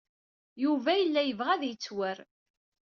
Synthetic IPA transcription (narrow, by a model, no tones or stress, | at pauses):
juvæjəlːæjəvʁæðjət͡sːwəɾ